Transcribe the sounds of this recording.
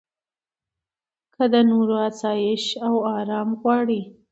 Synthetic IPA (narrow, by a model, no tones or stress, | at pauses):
kʰəd̪ənoɾoasɑjɪʃawɑɾɑmɣwɑɽi